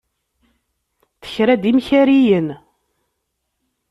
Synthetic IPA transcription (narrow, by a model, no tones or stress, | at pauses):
θə̥çɾæd̪imçæɾijən